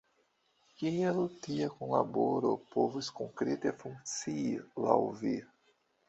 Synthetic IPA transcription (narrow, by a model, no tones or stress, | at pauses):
kielt̪iakonla̰boɾopovuskoŋkɾet̪efuŋk̚t͡siila̰wvi